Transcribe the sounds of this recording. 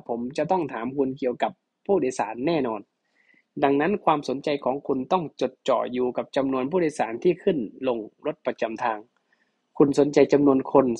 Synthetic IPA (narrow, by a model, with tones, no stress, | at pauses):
pʰo˩˦mt͡ɕa˧˩t̪ɔ˥˩ŋt̪ʰaː˩˦mkʰu˧nki˧˨əwka˨˩˦pʰːuː˥˩dːjsaː˩˦nːɛː˥˩nɔː˧n | da˧ŋna˦˥˨nkʰwaː˧mso˨˩˦nt͡ɕa˧jkʰɔː˨˩˦ŋkʰu˧nt̪ɔ˥˩ŋt͡ɕo˨˩t̪̚t͡ɕɔ̰ː˧˩juː˧ka˨˩p̚t͡ɕa˧mnu˧ənpʰuː˥˩oː˧˦jsaː˩˦nt̪ʰiː˥˩kʰɯ˧˥˩nlo˧ŋlo˦˥t̪̚pa˧t͡ɕa˧mt̪ʰaː˧ŋ | kʰu˧nso˨˩˦nt͡ɕa˧jt͡ɕa˧mnu˧ənkʰo˧n